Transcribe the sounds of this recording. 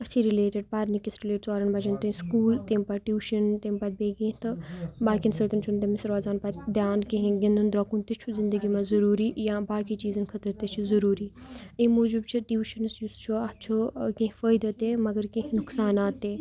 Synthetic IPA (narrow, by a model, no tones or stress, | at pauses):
ɐt̪ʰiɾɪleːʈɪɖ̚paːɾnikɐsɾileːʈsaːɾɐnbɐd͡ʒɐnt̪ɐĩskuːlt̪ẽmpaʈjuːʃɐnt̪empɐt̪̚beːɡĩɦt̪ɐbaːkinsɐt̪ɐnt͡ʃʰunt̪ɐmɪsɾoːzaːnpɐt̪d̪jaːnkĩɦĩɡẽnd̪und̪ɾɐkunt̪it͡ʃʰuzɪ̃nd̪əɡimazɐɾuːɾijãːbaːkit͡ʃiːzɐnkʰɐt̪əɾt̪it͡ʃʰizɐɾuːɾiimoːd͡ʒubt͡ʃʰiʈjuːʃɐnsjust͡ʃʰuɐt͡ʃʰukẽɦĩfəːjd̪ɐt̪emɐɡəɾkĩɦĩnʊksaːnaːt̪ːeː